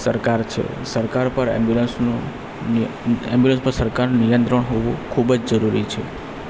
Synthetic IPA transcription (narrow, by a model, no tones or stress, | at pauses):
səɾkaɾt͡ʃʰḛ | səɾkaɾpəɾɛ̰mbjulənsnu | ɛmbjulə̃nspəɾsəɾkaɾnunijə̃nt̪ɾəɳɦoʋũkʰubd͡ʒd͡ʒəɾuɾit͡ʃʰḛ